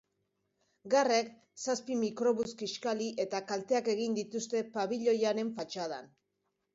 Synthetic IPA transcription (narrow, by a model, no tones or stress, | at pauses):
ɡearek | saspimikɾo̞βuskiʃkaliʔe̞t̪akalt̪e̞ake̞ɣ̞ind̪it̪ust̪e̞paβiʎo̞jaɾe̞ɱfat͡ʃaða̰n